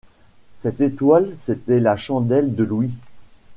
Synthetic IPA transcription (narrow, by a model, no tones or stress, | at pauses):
sɛt̪et̪walset̪ɛlaʃɑ̃d̪ɛld̪əlwi